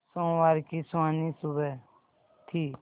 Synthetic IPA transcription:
sõːʋaːɾkiːsaːniːsʊbɛ | t̪ʰiː

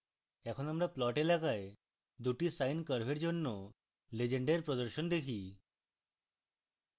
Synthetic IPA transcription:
ɛkʰɔnamɾaplɔʈelaɡae | d̪uʈisajnkəɾbʱeɾd͡ʒonːɔ | led͡ʒeɳɖeɾpɾɔd̪ɔɾʃɔnd̪ekʰi

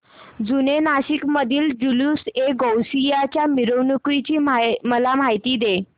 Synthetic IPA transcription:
d͡zunenaɕikməd̪ʱiːld͡ʑuljuseɡowsijat͡ɕjamiɾownukɾit͡ɕiːməlam̤ajt̪iːd̪e

